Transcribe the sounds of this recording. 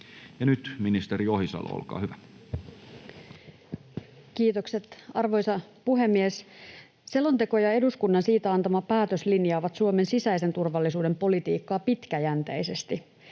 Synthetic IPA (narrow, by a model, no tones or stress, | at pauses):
jɑnyt̪minist̪eɾiohisɑ̰lo̰o̰lkɑ̰ːhyʋæ | kiːt̪o̞kse̞t̪ɑrʋo̞jsɑpuɦe̞mːies | se̞lont̪e̞ko̞jɑe̞duskunːɑnsiːt̪æɑnt̪ɑmɑpæːt̪øslinjɑːʋɑt̪suome̞nsisæjse̞nt̪urʋɑlːisuːde̞mpo̞lit̪iːkːɑːpit̪kæjænt̪ejse̞st̪i